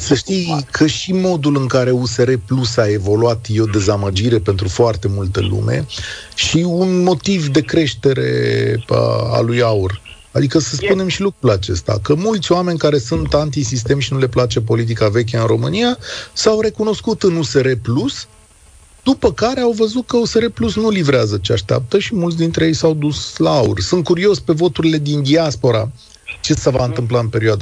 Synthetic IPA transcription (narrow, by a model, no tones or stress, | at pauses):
səʃt̪ijkʰəʃimo̞d̪ulɨŋkaɾe̞use̞ɾe̞plusae̞vo̞luat̪jo̞d̪e̞zaməd͡ʒiɾe̞pe̞nt̪ɾufoart̪e̞mult̪əlṵme̞̰ | ʃiunmo̞t̪ivd̪e̞kɾe̞ʃt̪e̞ɾe̞̰ə̰a̰lujaur | ad̪ikəsəspune̞mʃilukɾulat͡ʃe̞̰st̪a̰kəmult̪sʲoame̞nʲkaɾe̞sunt̪ant̪isis̬t̪e̞mʃinule̞plat͡ʃep̬o̞lit̪̬ikave̞k̬ʲaɨnɾo̞mɨnijasawɾe̞kuno̞skut̪ɨnuse̞ɾe̞plus | d̪̥upəkaɾe̞awvəzut̪̚kəuse̞ɾe̞plusnulivɾeazət͡ʃea̰ʃt̪ea̰p̚t̪əʃimult̪s̬ʲd̪int̪ɾeje̞jsawd̪uslaaṵrsɨnt̪̚kuɾio̞sʲpe̞vo̞t̪uɾile̞d̪ind̪iaspo̞ɾa | t͡ʃe̞səvaɨnt̪ɨmplaɨnpe̞ɾioad̪a